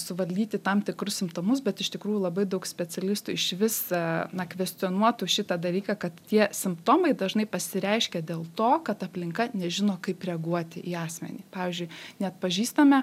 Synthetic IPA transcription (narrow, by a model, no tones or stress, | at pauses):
sʊʋɐlʲd̪ʲiːt̪ʲɪt̪ɐmt̪ʲɪkɾʊssʲɪmpt̪oːmʊs̬bʲɛt̪ɪʃt̪ʲɪkɾuːjulˠɐbɐɪd̪ɐʊksʲpʲɛt͡sʲɛlʲɪst̪uːɪʃʋʲɪsnɐkʋʲɛsʲt͡s̪ʲɪoːnuɔt̪uːʃʲɪt̪ɐd̪ɐlʲiːkɐkɐt̪t̪ʲiɛsʲɪmpt̪oːmɐɪd̪ɐʒnɐɪpɐsʲɪɾʲɛɪʃʲkʲɛd̪ʲeːlˠt̪oːkɐt̪ɐpʲlʲɪŋkɐnʲɛʒʲɪnoːkɐɪprʲɛɐɡuɔt̪ʲɪʔiːɑːsʲmʲɛ̰nʲiːpɑːʋʲiːzʲd͡ʒʲʊɪnʲɛɐt̪̚pɐʒʲiːst̪ɐmʲɛ